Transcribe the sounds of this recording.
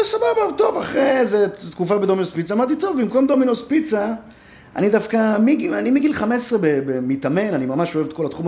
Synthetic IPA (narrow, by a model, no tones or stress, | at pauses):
sababat̪o̞vaχʁezet̪kufabed̪o̞minospit͡saːmaʁt̪it̪o̞vimkomd̪ominospit͡sa | a̰nid̪afkamiɡianimiɡilχamessʁebebemit̪ame̞nanimamaʃo̞evet̪ko̞lat̪χum